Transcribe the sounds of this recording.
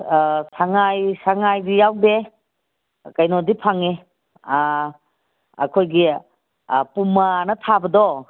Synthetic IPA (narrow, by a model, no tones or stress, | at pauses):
saŋajsaŋajdijawde | kajnodipʰaŋe | a̰kʰojɡi | pumanɐtʰabədɔ